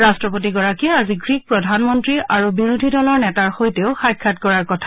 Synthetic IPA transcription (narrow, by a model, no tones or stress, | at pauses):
ɹastɹɔpot̬iɡɔɹakiɛaziɡɹik̚pɹɔdʱanmɔntɹiaɹubiɹudʱidɔlɔɹnɛtaɹxojteʊxajkʰːatkɔɹaɹkɔtʰa